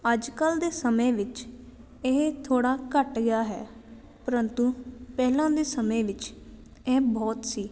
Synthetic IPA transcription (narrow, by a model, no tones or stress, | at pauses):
əd͡ʒkəld̪eːsəmẽːʋɪt͡ʃ | ɪɦt̪ʰoːɽaːkəʈɡɪjaːɦɛ̰ː | pəɾənt̪upɛːlãːd̪eːsəmẽːʋɪt͡ʃ | ɛːbɔːt̪siː